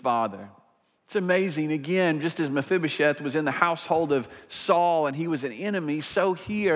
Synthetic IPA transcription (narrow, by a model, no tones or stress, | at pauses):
fɑðə˞ | ɪtsɨmeɪzɪ̃ŋɨɡɛ̃nd͡ʒʌstɨzmɨfɪbɨʃɛθwʌzɨ̃nðɨhaʊshoʊlˠdʌv̥sɔlˠə̃niwʌzɨ̃n̩ɛñɨmisoʊhi